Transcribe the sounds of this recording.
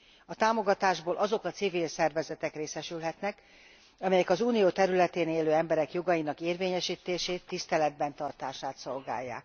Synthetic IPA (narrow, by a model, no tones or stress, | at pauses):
ɒt̪aːmo̞ɡɒt̪aːʒboːlʔɒzo̞kɒt̪siviːlsɛrvɛzɛt̪ɛkreːsɛʃylɦɛt̪nɛk | ɒmɛjɛkɒzuːnijoːt̪ɛɾylɛt̪eːneːløːɛmbɛɾɛkjo̞ɡɒjinɒkeːrveːɲɛʃiːt̪eːʃeːt̪ːist̪ɛlɛd̪̚bɛnt̪ɒrt̪aːʃaːt̪so̞lɡa̰ːjːa̰ːk